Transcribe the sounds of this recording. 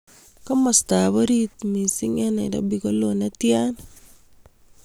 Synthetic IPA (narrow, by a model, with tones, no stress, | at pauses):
kɔ˦mɔ˨sta˨bo˦ɾit̪mi˨si˦ŋɛ˦nɛ̰˨da̰˦bi˨ko˦lo˨na˦tja˦n